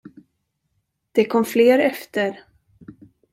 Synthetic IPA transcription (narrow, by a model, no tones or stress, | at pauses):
d̪̥ɛkʰɔmːfleːɾɛft̪əɾ